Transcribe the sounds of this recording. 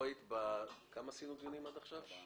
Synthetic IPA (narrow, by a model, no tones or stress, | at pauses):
it̪bakamasinuɡjonimad̪aχʃav